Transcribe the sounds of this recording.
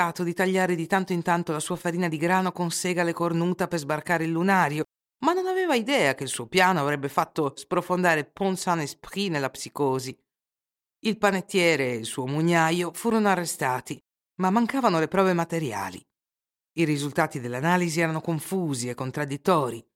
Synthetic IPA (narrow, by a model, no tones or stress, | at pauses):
aːt̪od̪it̪aʎːaːɾed̪it̪ant̪oint̪ant̪olasuːafaɾiːnad̪iɡɾaːnokonsɛːɡalekornuːt̪apezbarkaːɾeilːunaːɾjo | manːonavɛːvaid̪ɛːak̟eilsuːopjaːnoavɾɛbːefat̪ːospɾofond̪aːɾepɔnsanespɾinelːapsikoːzi | ilpanet̪ːjɛːɾeːlsuːomuɲːajofuːɾonoarːest̪aːt̪i | mamːaŋkaːvanolepɾɔːvemat̪eɾja̰ːlḭ | iɾizult̪aːt̪id̪elːanaːliziɛːɾanokoɱfuːziekːont̪ɾad̪ːit̪ːɔːɾi